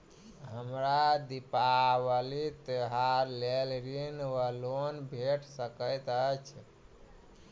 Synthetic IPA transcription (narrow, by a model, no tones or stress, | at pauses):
ɦəmɾad̪ipawəlit̪əɦaɾlelɾinwəlonbʱeʈsəkəjt̪ət͡ʃʰ